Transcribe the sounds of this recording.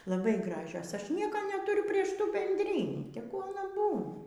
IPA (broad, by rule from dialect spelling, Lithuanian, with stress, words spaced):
lˠɐˈbɐɪ ˈɡrɑːʒʲoːs ˈɐʃ ˈnʲiɛkoː nʲɛtuːˈrʲʊ ˈpʲrʲiɛʃ ˈtuː bʲɛnʲdʲˈrʲiːnʲiː tʲɛˈɡʊ ɐˈnɐ ˈbuːnɐ